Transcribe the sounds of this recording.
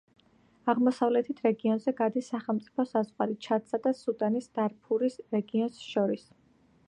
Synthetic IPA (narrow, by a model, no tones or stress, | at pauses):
aʁmɔsavlɛt̪ʰit̪ʰɾɛɡiɔnzɛɡad̪isːaχɛlˠmt̪sʼi̥pʰɔsazʁwalit͡ʃʰat̪sad̪asut̪ʼanisd̪̥aɾpʰuɾisɾɛɡiɔnsʃɔɾis